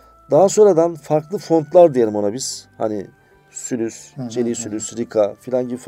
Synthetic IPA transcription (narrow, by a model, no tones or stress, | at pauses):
d̪aɦaso̞nɾad̪anfaɾklˠɯfo̞nt̪lˠaɾd̪ijelʲimo̞nabiz̥ha̰ni | sylʲysd͡ʒʰelʲiːsylʲysɾikʰafilʲanɟif